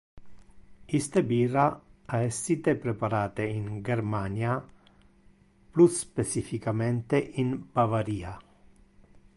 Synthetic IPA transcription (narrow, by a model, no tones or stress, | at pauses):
ist̪ebiraaɛsːit̪epɾepaɾaːt̪eiŋɡermanja | pluspet͡ʃifikament̪eʔinb̥avaɾiːa